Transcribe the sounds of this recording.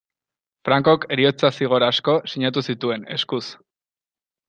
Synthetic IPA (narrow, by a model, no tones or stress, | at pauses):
fɾaŋko̞ke̞ɾio̞t͡sasiɣ̞o̞ɾasko̞siɲat̪̬usit̪ue̞ne̞̰skus